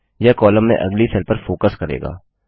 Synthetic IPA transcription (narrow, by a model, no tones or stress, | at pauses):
jɛkɔːləmːḛ̃ʔɐ̰ɡlisʰəlpəɾfoːkəskɐɾḛːɡa̰ː